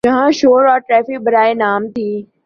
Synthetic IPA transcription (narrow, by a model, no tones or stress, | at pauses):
d͡ʒɐɦãʃoːɾɔːɾʈɾɛːfɪk̚bɐɾaːenaːmt̪ʰiː